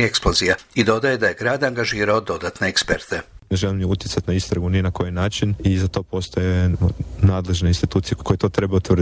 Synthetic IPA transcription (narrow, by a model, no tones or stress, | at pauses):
ieksplozijaid̪o̞d̪aje̞d̪aje̞ɡɾaːd̪aŋɡaʒiːɾao̞d̪o̞d̪aːt̪ne̞ekspḛɾt̪e̞neʒelimjeut̪jetsat̪naist̪ɾaɡunienako̞jinaːt͡ʃinizat̪o̞ːpo̞st̪ojenaːd̪le̞ʒneinst̪it̪uːt̪sijekʰojet̪o̞ːt̪ɾe̞baut̪ʋr